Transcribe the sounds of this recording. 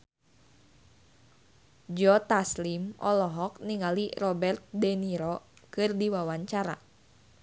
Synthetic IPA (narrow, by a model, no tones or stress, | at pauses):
d͡ʒɔt̪aslimʔɔlɔɦɔk̚niŋalirɔbɛrt̪̚dɛniɾɔkɨrdiwawaɲt͡ʃaɾa̰